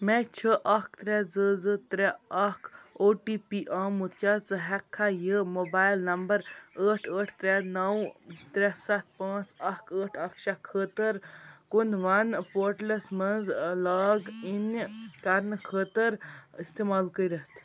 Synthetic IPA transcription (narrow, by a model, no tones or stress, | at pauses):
mɛ̃t͡ʃʰəʔɐkʰt̪ɾɛd͡zəzɨt̪ɾɛɐkʰoːʈiːpiːʔaːmut̪ʰkʲjaːt͡sɨɦɛkʰːajəmoːbaːjlnɐmbəɾəːʈʰəːʈʰt̪ɾɛnɐwt̪ɾɛsɐt̪ʰpãːt͡sɐkʰəːʈʰɐkʰʃakʰəːt̪əɾkunʋɐnpoːɾʈlesmɐnzlaːɡinkɐɾnkʰəːt̪əɾist̪eːmaːlkəiɾət̪ʰ